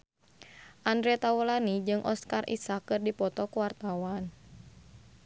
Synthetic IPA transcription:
ʔandɾɛt̪awulanid͡ʒɨŋʔɔskarʔḭsakɨrdipɔt̪ɔkwart̪awan

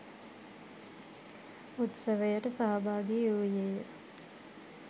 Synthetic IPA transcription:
ut̪səʋəjəʈəsaɦabaːɡiuːjeːjə

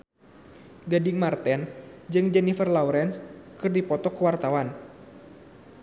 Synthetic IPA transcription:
ɡadɪŋmart̪ɛnd͡ʒɨŋd͡ʒɛnifərlauɾɛnskɨrdipɔt̪ɔkəwart̪awan

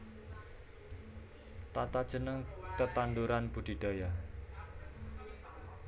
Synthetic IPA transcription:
t̪at̪ad̥ʒ̥ə̤nəŋkət̪and̪uɾanb̥ṳd̪̥i̤ɖ̪̥oja

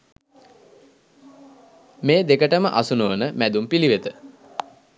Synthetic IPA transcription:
meːd̪ekəʈəməʔasunoʋənəmæd̪umpiliʋet̪ə

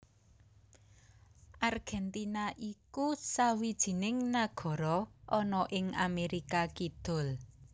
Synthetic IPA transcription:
ʔarɡ̥ɛnt̪inaʔikusawid̥ʒ̥i̤nɪŋnaɡ̥ɔ̤ɾɔʔɔnɔʔɪŋameɾikakid̪̥ʊ̤l

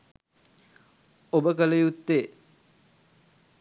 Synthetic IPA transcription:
obəkələjut̪ːeː

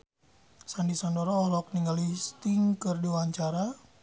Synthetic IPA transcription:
sandisɔndɔɾɔːhlɔk̚niŋɡalist̪iŋkɨrdiwaɲt͡ʃaɾa

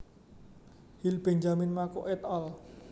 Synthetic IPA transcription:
hilb̥ɛɲd͡ʒamɪnmakoʔɛt̪ɔl

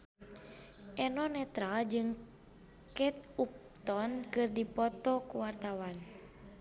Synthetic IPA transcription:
ʔɛnɔnɛt̪ɾald͡ʒɨŋ | kɛt̪̚up̚t̪ɔnkɨrdipɔt̪ɔkuwart̪awan

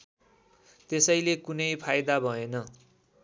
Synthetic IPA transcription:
t̪esʌjlekunʌjpʰajd̪abʱʌenʌ

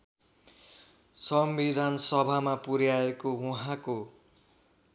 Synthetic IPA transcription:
sʌmbid̪ʱansʌbʱamapuɾjaekowuɦãko

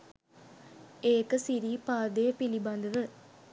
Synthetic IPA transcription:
eːkɯsiɾipaːd̪eːpilibɐnd̪ɐʋɯ

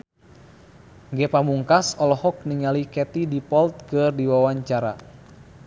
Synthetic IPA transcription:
ŋɡɛpamuŋkasɔlɔhɔk̚niŋalikɛt̪idipɔlt̪̚kɨrdiwawaɲt͡ʃaɾa̰

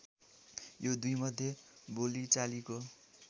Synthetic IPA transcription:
jod̪ujmʌd̪ʱjebolit͡saliko

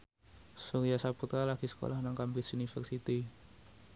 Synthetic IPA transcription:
suɾijasaput̪ɾalaɡ̥isə̥ko̰lahnaŋkambisunifɛrsit̪i

